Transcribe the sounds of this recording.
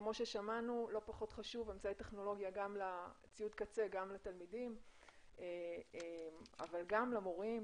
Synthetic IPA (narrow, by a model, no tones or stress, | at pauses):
kmo̞ʃeʃamanulo̞paχo̞t̪χaʃuvemt͡sait̪eχno̞lo̞ɡjaɡamla | t͡siud̪kat͡se̞ɡamlat̪almidimeema̰valɡamlamoʁim